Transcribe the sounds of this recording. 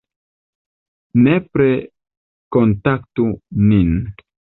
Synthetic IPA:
nepɾe | kontaktunin

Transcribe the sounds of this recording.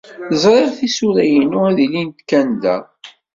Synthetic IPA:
θəzˤɾˤeʁθisuɾæjənʊæðilint̪kænd̪æ̰

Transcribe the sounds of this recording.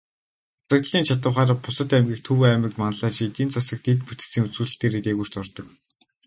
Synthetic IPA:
asə̆kt̪ə̆ɮiːnt͡ɕʰat̪ə̆wχaːɾapʊsə̆t̪æmɡʲiːk̚t̪ʰɵwæmɪ̆kmanə̆ɮaːt͡ɕet̪iːnt͡sʰasə̆k̚t̪it̪put̪ɘ̥̆siːŋut͡sɡuːɮɘ̆ɬt̪eːɾeːt̪eːɣur̥t̪ɔrt̪ɞ̆k

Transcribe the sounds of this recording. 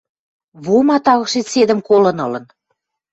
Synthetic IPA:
βomɑt̪ɑɣɤ̆ʃesed̪ə̆mkolə̆nɤlə̆n

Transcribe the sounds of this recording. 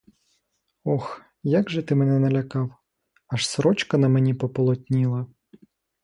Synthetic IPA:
ɔx | jaɡʒɛt̪ɪmɛnɛnɐlʲɐkɑw | ɐʃsɾɔt͡ʃkɐnɐmenʲipɔpɔlˠɔt̪ʲnʲilˠɐ

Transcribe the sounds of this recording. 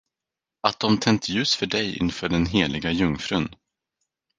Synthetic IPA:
at̪̚d̪̥ɔmt̪ʰɛnt̪jʉ̟ːsfœɖɛjɪ̰nfœːɖɛnɦeːlɪɡajɵŋfɾɵn

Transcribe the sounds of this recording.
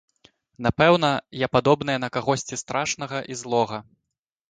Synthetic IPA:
n̪apɛwnɐjapad̪ɔbnɐjɛnɐkaɣɔsʲt͡sʲist̪ɾʔaʂnɐɣɐʔizlˠɔɣɐ

